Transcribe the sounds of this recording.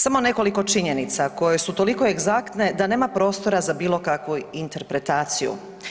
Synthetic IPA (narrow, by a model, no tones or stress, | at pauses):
samo̞ne̞ko̞liko̞t͡ʃiɲe̞nit̪sako̞je̞sut̪o̞liko̞eɡzakt̪ne̞d̪ane̞ːmapɾo̞ːst̪o̞ɾazabiːlˠo̞kakʋuint̪e̞ɾpɾe̞t̪aːt̪sijṵ